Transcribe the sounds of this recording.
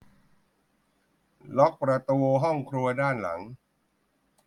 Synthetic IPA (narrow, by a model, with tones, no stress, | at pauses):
lɔ˦˥k̚pɾa˧t̪u˧ɦɔ˥˩ŋkʰɾu˧ɐdaː˥˩nla̰˩˦ŋ